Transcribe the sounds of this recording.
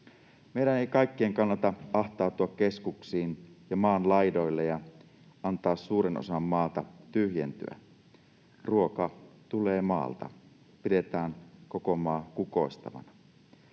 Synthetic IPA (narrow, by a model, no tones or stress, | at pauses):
meiɾæneikɑikːeeːŋkɑnːɑt̪ɑɑht̪ɑːt̪uɑkkeskuksiːnjɑmɑːnlɑjdo̞ilːejɑ | ɑnt̪ɑːsːuːɾeno̰sɑmːɑːt̪ɑt̪yhjḛnt̪y̰æ̰ | ruo̞kɑt̪uleːmɑ̰ːlt̪ɑ̰ | pide̞t̪æːnko̞ko̞mɑːkuko̞ist̪ɑ̰ʋɑ̰nɑ